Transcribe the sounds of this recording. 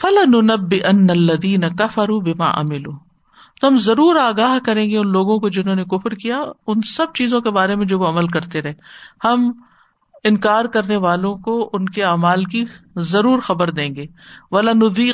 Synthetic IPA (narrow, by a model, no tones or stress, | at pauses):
fɐlanʊnɐbːɪʔɐnːɐɐlːɐðiːnɐkɐfɐɾuːbɪma̰ːʔɐ̰mɪluː | t̪oɦɐmzɐɾuːɾaːɡaːɦkɐɾẽːŋɡeʊnloːɡõkod͡ʒɪnɦõːnekʊfɾkijaʊnsɐb̚t͡ʃiːzõkebaːɾemẽd͡ʒoːʋoɐməlkɐɾt̪eɾɐɦẽhɐm | ɪ̃nkaːɾkɐɾneʋaːlõkoʔʊnkeaːmaːlkizɐɾuːɾxɐbəɾd̪ẽːŋɡeː | ʋɐlanʊd̪iː